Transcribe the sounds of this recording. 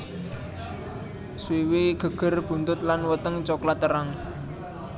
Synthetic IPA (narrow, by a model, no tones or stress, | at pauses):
swiwiɡ̥ə̤ɡ̥ə̤rb̥ṳnt̪ʊt̪̚lanwət̪əŋt͡ʃɔklat̪ːəɾaŋ